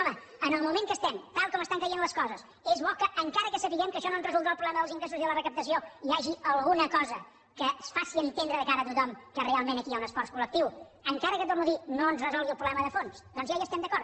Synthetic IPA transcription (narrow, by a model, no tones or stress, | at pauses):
ɔmə | ənəlˠmumẽŋkəst̪ɛmt̪alˠkɔməst̪aŋkəjenləskɔzəs | ezβɔkəʔːŋkaɾəkəsəpiɣɛmkəʃɔnonzrəzulˠd̪ɾalˠpɾuβlɛməðəlˠziŋɡɾesuziðələrəkəp̚t̪əs̬ioiaʒiʔəlˠɣunəkɔzə | kəsfasiənt̪end̪ɾəðəkaɾət̪ut̪ɔmkərealˠmenəkiaunəsfɔɾskulək̚t̪iwəŋkaɾəkət̪ornuðinonzrəzɔlˠɣiəlˠpɾuβlɛməðəfonsd̪ɔnzjajəst̪ɛmd̪əkɔɾt̪